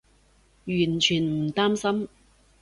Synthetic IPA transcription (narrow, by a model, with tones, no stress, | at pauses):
jyː˨˩nt͡ʃʰyː˨˩nm̩˨˩t̪aː˥msɐ˥m